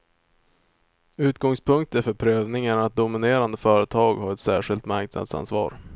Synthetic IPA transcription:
ʉ̟ːt̪̚ɡɔŋspʰɵŋk̚t̪əɾfœɾpʰɾøːvnɪŋəɳat̪̚d̪ʊmɪneːɾand̪əfœːɾət̪ʰɑːɡhaɾɛt̪sæ̰ːʂɪlt̪maɾkna̰d̪sa̰nsvɑ̰ːɾ

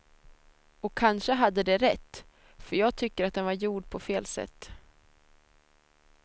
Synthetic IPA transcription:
ɔkʰːanʂəɦad̪ːəd̪ɛɾɛt̪ː | fœɾjɑːɡ̚t̪ʰʏkːəɾat̪̚d̪ɛnvaɾjuːɖpʰɔfeːlsɛ̰t̪ː

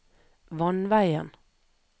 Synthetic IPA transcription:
ʋɑnʋæɪə̰n

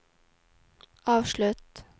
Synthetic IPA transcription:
ɑːʋʃɭʉt̪

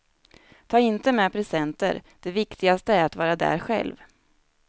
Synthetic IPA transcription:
t̪ʰɑːɪnt̪əmɛːpʰɾɛsɛnt̪ə̰ɾd̪̥ɛvɪkt̪ʰɪɡast̪əæɾat̪vɑːɾad̪æ̰ːɾɧɛ̰lv

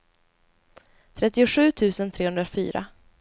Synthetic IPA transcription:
t̪ʰɾɛt̪ːɪʊɧʉ̟ːt̪ʰʉ̟ːsənt̪ʰɾeːhɵnd̪ɾafy̰ːɾa̰

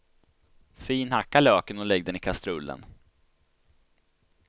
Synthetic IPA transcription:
fiːnhakːaløːkənɔlɛɡ̚d̪ɛnɪkʰast̪ɾɵlːə̰n

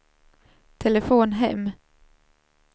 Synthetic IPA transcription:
t̪ʰɛlɛəfoːnɦɛmː

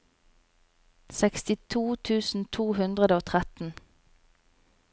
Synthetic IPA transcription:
sɛkst̪ɪt̪ʰuːt̪ʰʉːsn̩t̪ʰuːhʉnd̪ʁəd̪əoːt̪ʰʁɛt̪n̩

